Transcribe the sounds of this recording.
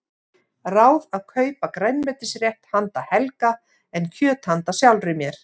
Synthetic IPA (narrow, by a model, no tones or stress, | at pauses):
raːwðaðkʰœːɥpakɾɛjnvɛt̪ɪsrjɛht̪hant̪ahɛlka | ɛncʰœːt̪hant̪asjawlrɪmjɛɾ̥